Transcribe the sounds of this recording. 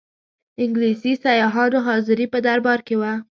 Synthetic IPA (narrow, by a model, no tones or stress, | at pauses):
ɪŋɡlisisajɑɦɑɾoɦɑzɪɾipəd̪aɾbɑɾkewa